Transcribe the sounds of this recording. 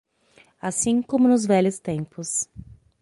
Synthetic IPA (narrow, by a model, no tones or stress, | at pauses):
asĩkõmʊnʊzvɛlʊst̪ẽmpʊs